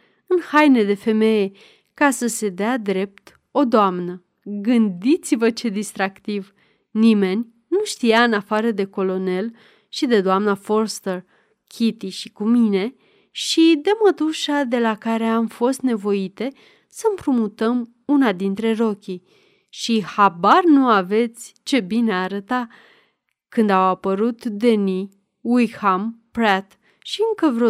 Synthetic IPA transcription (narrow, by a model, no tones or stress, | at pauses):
ɨnhajne̞d̪e̞fe̞me̞je̞ | kasəse̞d̪ead̪ɾe̞p̚t̪ | o̞d̪oamnə | ɡɨnd̪it̪sivət͡ʃe̞d̪ist̪ɾakt̪iv | nime̞nʲ | nuʃt̪ijaɨnafaɾəd̪e̞ko̞lo̞ne̞l | ʃid̪e̞d̪oamnafo̞rst̪er | kʲʰit̪iʃikumine̞ | ʃid̪e̞mət̪uʃad̪e̞lakaɾe̞amfo̞st̪ne̞vo̞it̪e̞ | səmpɾumut̪əm | unad̪int̪ɾe̞ro̞kʲi | ʃihabarnuave̞t̪sʲt͡ʃe̞bineaːɾət̪a | kɨnd̪awapəɾut̪d̪e̞ni | ulhampɾat̪ | ʃiɨŋkəvɾo